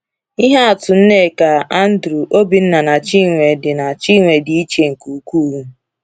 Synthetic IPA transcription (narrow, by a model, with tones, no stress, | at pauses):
i˦ɦa˦a˨tʊ˨n̩˦ne˦˨ka˨a˦n̩˦dɾu˨ʔo˦bi˨n̩˦na˨na˨t͡ʃi˦˨ŋʷe˨dɪ˨na˨t͡ʃi˦ŋʷe˨di˨i˦t͡ʃe˨ŋ̩˨ku˨kuː˦˨ɾu˦